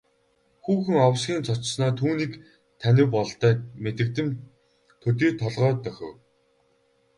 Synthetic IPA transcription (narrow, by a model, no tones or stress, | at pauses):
xuːxɘ̆ŋɔwsɡʲiːnt͡sʰɔt͡ɕsnɔːt̪ʰuːniːk | t̪ʰænʲɪ̆wpɔɮt̪æːmet̪ɘ̆k̚t̪ɘ̆m | t̪ʰɵt̪̬iːt̪ʰɔɮʁœːt̪œxʲɪ̆w